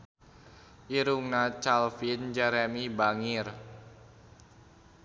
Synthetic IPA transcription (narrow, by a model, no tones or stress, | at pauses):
ʔiɾuŋnat͡ʃalfind͡ʒɛɾɛmibaŋɪr